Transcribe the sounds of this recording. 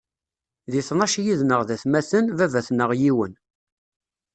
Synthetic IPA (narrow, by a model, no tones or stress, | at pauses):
ðiθnɑʃjiðnəʁðæθmæθənvævæθnəʁjiwən